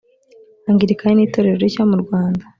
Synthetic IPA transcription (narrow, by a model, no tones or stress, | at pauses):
aŋɡiɾikaɲiniːto̞ɾe̞ɾoɾicamuɾɡwaːnda